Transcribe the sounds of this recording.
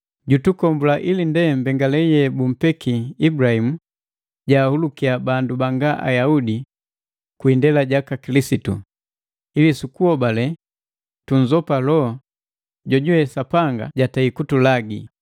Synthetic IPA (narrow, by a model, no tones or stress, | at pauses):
ɟutukɔmbulaʔilindɛm̩bɛŋɡalɛjɛbum̩pɛkʰiːbuɾahimu | ɟaːhulukiabandubaŋɡaʔa̰jaudi | kwiːndɛlaɟakakilisitṵ | ilisukuɔbalɛ | tuɲd͡ʒɔpalɔ | ɟɔɟuwɛsapaŋɡa̰ɟataikutulaɡi